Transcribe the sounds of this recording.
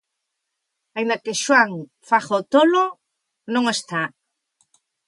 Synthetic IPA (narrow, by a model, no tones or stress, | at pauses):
aind̪akɪʃwaŋ | faχoot̪olo | nõŋest̪a